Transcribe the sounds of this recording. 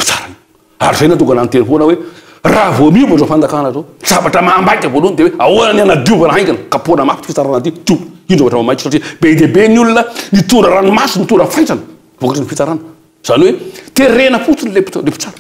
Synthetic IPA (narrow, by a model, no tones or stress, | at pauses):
pi̥t͡sḁɾan | a̰ɾizejnat̪uŋɡananit̪enifonəwe | ravoamiuvbazofand͡z̪akanazoz̥avaʈ͡ʂəmaːmbajk̪ʲəvolunid̪eweauanənianad̪juvəɾaɦajkanəkaponəmafi̥t̪ifit͡saɾanat̪id̪uvinɖ͡ʐavaʈ͡ʂəmamajki̥saʈ͡ʂib̥ed̪ebenulunənit̪uɾəɾanimasinit̪uɾəfajʈ͡ʂanə̥ | vokaʈ͡ʂinifit͡saɾanə̥ | z̥anwet̪eɾenəfut͡sinilepi̥lepi̥t͡saɾa